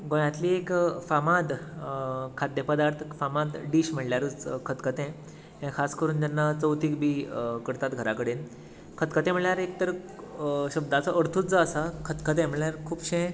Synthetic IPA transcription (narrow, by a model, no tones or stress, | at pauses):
ɡõjãt̪liːekfamad̪ | kʰad̪jəpəd̪aɾt̪ʰfamad̪ɖiːɕm̤əɽljaɾət͡skʰət̪kʰət̪ɛ̃ | ɦẽkʰaskəɾuːnt̪anːat͡səwt̪iːkbiːkəɾt̪at̪ɡʱəɾakəɽeːn | kʰət̪kʰət̪ɛ̃m̤əɭjaɾek̚t̪əɾ | ɕəbd̪at͡səʔəɾt̪ʰuːt͡sd͡zəːsakʰət̪kʰət̪ɛ̃m̤əɭɭjaɾkʰuːbɕẽ